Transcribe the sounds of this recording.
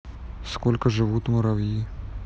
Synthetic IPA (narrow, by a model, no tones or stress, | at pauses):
skɔlʲkɐʒɪʋut̪ʲmɔɾɐwji